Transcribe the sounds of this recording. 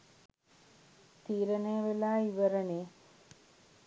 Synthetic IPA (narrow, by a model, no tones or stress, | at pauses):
t̪iːɾɐneːʋelaːiʋɐɾɐne